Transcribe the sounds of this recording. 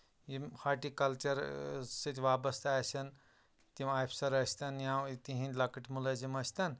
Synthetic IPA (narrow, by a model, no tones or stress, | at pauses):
jimhaʈikɐlt͡ʃɐɾsɨt̪ʰʲʋabɐst̪ʰaasɐn | t̪imaːjpʰsɐɾɐsʲt̪ɐnjãit̪iɦĩnlɐkɐʈmulɐzimɐsʲt̪ɐn